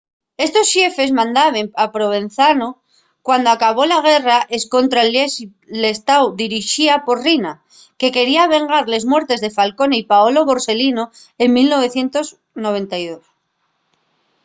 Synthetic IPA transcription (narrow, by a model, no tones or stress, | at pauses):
e̞st̪o̞sʃje̞fe̞zmãnd̪aβe̞mapɾo̞βe̞n̟θano | kwand̪oakaβo̞laɣ̞e̞raʔe̞sko̞nt̪ɾael | le̞st̪awd̪iɾiʃiapo̞ɾrina | ke̞ke̞ɾiaβ̞e̞ŋɡaɾle̞zmwe̞ɾt̪e̞zðe̞falko̞neipaolo̞βo̞ɾse̞lino̞ | e̞ŋmilno̞βe̞θje̞nt̪o̞z | no̞βe̞nt̪ajðo̞s